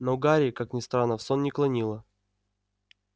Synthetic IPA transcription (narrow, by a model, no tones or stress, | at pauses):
nəʊɡaɾʲɪːkaknʲɪst̪ɾanːəfsonnʲɪklˠɐnʲilˠə